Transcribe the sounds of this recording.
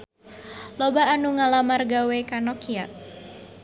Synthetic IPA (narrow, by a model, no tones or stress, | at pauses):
lobaːnuŋalamarɡawekanɔkiat̪̚